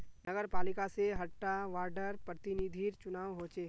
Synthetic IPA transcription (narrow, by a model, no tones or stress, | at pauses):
nɐɡəɾpaːlɪkaseɦɐʈːaʋaːɾɖəɾpɾət̪ɪnid̪ʱiɾt͡ʃʊnaːʋɦoːt͡ʃeː